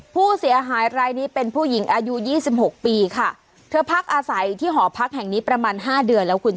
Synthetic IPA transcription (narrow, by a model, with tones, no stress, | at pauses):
pʰuː˥˩si˨˩˦ɐɦaː˩˦jɾaː˧jniː˦˥pe˧npʰuː˥˩ji˩˦ŋʔaː˧ju˦˥jiː˥˩si˨˩p̚ho˨˩k̚piː˧kʰa˥˩ | t̪ʰɤː˧pʰa˦˥k̚ʔaː˧sa˩˦jt̪ʰiː˥˩ɦɔː˩˦pʰa˦˥k̚ɦɛ˨˩ŋniː˦˥pɾa˧maː˧nɦaː˥˩dɯ˧ənlɛː˦˥wkʰu˧n